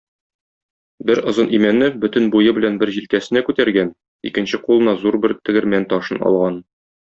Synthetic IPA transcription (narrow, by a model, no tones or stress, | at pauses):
bɘɾŏzɤnʔimænːɘbɵ̆t̪ɘnbujɤbɘ̆lænbɘɾʑilkæsɘ̆nækʉt̪æɾɡæn | ḭkɘ̆nɕɘqulˠɤ̆nɑzuɾbɘɾt̪ɘ̆ɡɘ̆ɾmænt̪ɒʃɤnɒ̰lˠʁɑn